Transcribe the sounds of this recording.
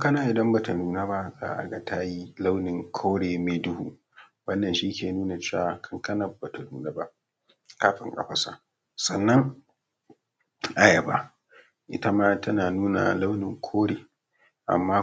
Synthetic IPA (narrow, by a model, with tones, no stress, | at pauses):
kɐ˦na˨ʔɪ˨dɐ˦mba˨ta˨nuː˨naː˦ba˦za̰ː˦ʔa̰˨ɡa˨tʰa˦ji˦la˦wnɪ˨ŋkʷʰoː˦ɽeː˨meː˦dʊ˦hṵ˦ | wɐ˦nːɐ˨nʃi˦kʲeː˨nuː˦na˨t͡ʃeː˦wa˨kʰɐ˦ŋkɐ˦na˨ba˨ta˨nuː˨na˦ba˦ʔ | kaː˦ɸɪ̰˨˦ŋkʼɐ̰˦ɸɐ˦sa̰˨ʔ | sɐ˨nːɐ˦ŋ | ʔa˨jɐ˨ba̰˦ | ʔɪ̰˦ta˦maː˦tɐ˦naː˨nuː˦na̰˨la˦wnɪ˨ŋkʷʰoː˦ɽeː˨ | ʔa̰˨mːaː˦